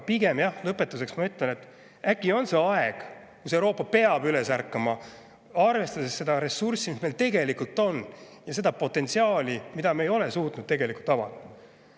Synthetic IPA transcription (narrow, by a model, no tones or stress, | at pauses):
piɡe̞mjɑhlɤpːˑe̞t̪ːˑuse̞ksmɑyt̪ˑlene̞t̪ː | ækːˑio̞nse̞ɑe̞ɡ̥ | kuse̞wɾo̞ːpːɑpe̞ɑbyle̞særkːˑɑmɑ | ɑrve̞st̪ɑd̪̥esːe̞d̪ɑɾe̞sursimismejlt̪e̞ɡe̞likult̪ːˑo̞n | jɑse̞d̪̥ɑpo̞t̪ːˑe̞nt̪siɑːlimid̪̥ɑmeejo̞le̞suːt̪nud̪̥̚t̪eɡe̞likˑult̪ːˑɑvɑ̰d̪ɑ